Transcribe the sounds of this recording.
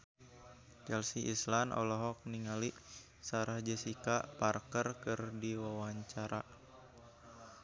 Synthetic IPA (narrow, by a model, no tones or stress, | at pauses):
t͡ʃɛlsiʔislanɔ̰lɔɦɔk̚niŋaliʔ | saɾahd͡ʒəsikaʔparkərkɨrdiwawaɲt͡ʃaɾa